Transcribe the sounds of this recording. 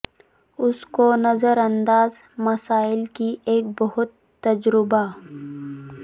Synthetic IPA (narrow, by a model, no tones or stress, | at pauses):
ʊskonɐzəɾɐ̃nd̪aːz | mɐsaːɪlkiʔeːk̚bɐɦʊt̪ːɐd͡ʒɾɪba